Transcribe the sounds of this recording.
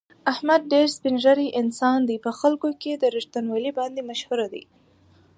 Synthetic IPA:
ahmad̪̚ɖeɾspinʒaɾiʔɪnsɑnd̪ipəxalkoked̪əɾɪʃt̪anwɑlibɑnd̪emaʃhuɾad̪ḭ

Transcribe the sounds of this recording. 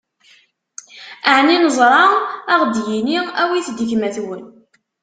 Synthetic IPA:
aʕninəzˤɾˤɑaʁd̪jiniæwiθd̪içmæθwən

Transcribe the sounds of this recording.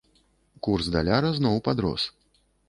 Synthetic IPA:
kursd̪a̰lʲaɾɐznɔwpad̪ɾɔ̰s

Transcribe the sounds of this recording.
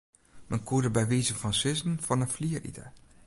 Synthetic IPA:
mɛnkuədəbɛjʋeːzənfɑnsɪzənfɑnəfliərḭtə̰

